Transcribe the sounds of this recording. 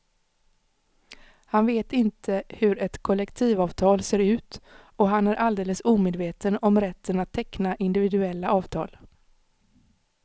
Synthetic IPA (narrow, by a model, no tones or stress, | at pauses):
hanveːt̪ɪnt̪ʰəhɵɾɛt̪kʰɔlːɛkt̪ʰiːvɑːvt̪ʰɑːlseːɾʉ̟ːt̪ɔɦanæɾʔald̪eːləsuːmeːd̪veːt̪ənɔmɾɛt̪ʰːənat̪ʰːɛknaʔɪnd̪ɪvɪd̪ɵɛlːaʔɑːvt̪ʰɑ̰ːl